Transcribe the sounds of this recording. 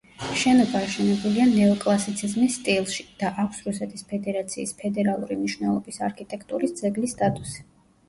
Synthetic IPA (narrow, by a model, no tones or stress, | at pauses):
ʃɛnɔbaːʃɛnɛbulianɛɔkʼlˠasit̪sʰizmisːt̪ʼilˠʃi̥d̪̥aʔakʷʰsɾusɛt̪ʰispʰɛd̪ɛɾat̪sʰiːspʰɛd̪ɛɾalˠuɾimniʃwnɛlˠɔbisa̰ɾkʰit̪ʼɛkʰt̪ʼuɾisd̪zɛɡlist̪ʼat̪ʼusi̥